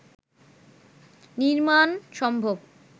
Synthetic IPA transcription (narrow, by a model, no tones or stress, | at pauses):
niɾmanʃɔmbʱob